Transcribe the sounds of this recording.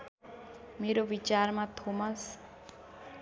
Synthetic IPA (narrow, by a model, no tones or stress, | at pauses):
meɾobit͡ʃarmat̪ʰomʌs